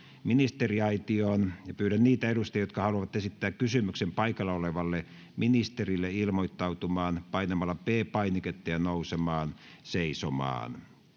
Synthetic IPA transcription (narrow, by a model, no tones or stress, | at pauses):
minist̪eriɑit̪ioːnjɑpyːɾænniːt̪æeɾust̪ɑjot̪̚kɑhɑluɑʋɑt̪esit̪ːæːkkysymyksempɑikɑlːɑoleʋɑlːe | minist̪erilːeilmoit̪ːɑut̪umɑːnpɑinɑmɑlːɑpeːpɑiniket̪ːɑjɑnousemɑːn | seisomɑ̰ːn